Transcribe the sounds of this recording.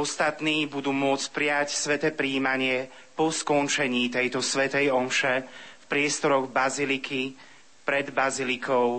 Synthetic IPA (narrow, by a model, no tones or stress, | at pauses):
ɔst̪at̪niːbud̪uːmʊɔt͡sc̚pɾɪacsʋɛt̪ɛːpɾiːmaɲɪɛ | pɔskɔnt͡ʃɛɲiːt̪ɛjt̪ɔsʋɛt̪ɛjɔmʃɛfpɾɪɛst̪ɔɾɔɣbazilikʰi | pɾɛd̪bazilikʰɔʊ